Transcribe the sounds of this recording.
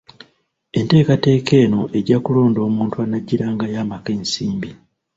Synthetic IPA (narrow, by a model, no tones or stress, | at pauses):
e̞nte̞ːkate̞ːke̞ːno̞ʔe̞ɟakulo̞ːndo̞ːmuːntuanaɟːiɾaːŋɡajaːmakeːnsiːmbi